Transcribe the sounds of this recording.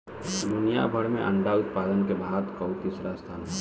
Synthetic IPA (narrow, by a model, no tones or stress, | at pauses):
mʊnija̰bʱəɽmẽʔəɳɖaʊt̪̚paːd̪ənkebʱaːd̪kɔt̪ɪsɾast̪ʰaːn